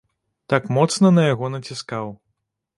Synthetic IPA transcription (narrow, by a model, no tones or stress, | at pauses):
t̪akmɔt̪snɐnɐjaɣɔnɐt͡sʲiskaw